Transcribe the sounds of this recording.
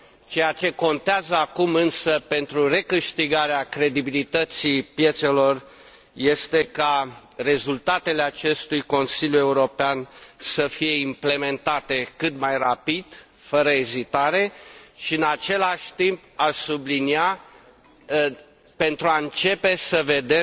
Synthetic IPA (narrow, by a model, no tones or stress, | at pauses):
t͡ʃe̞jat͡ʃe̞ko̞nt̪eazəakumɨnsəpe̞nt̪ɾure̞kɨʃt̪iɡaɾeakɾe̞d̪ibilit̪ət̪sipje̞t̪selo̞r | je̞st̪e̞ka | re̞zult̪at̪e̞le̞at͡ʃe̞st̪ujko̞nsilʲjue̞uɾo̞peansəfije̞imple̞me̞nt̪at̪e̞kɨt̪majrapid̪̥ | fəɾəezit̪aɾe̞ʃiɨnat͡ʃe̞laʃʲt̪impaʃsublinia | pe̞nt̪ɾuaɨnt͡ʃe̞pe̞səve̞d̪e